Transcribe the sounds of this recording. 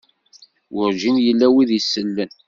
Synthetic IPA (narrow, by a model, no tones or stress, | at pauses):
wʊɾʒinjəlːæwiðjəsːəlːən